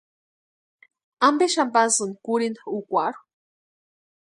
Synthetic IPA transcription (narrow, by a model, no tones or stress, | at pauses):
ambeʃampasɨnkuɾind̪aukʷaɾu̥